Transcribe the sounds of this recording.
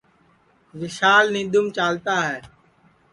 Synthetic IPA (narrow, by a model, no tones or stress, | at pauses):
ʋɪʃaːlnĩːd̪ʊmt͡ʃaːlt̪aːɦɛː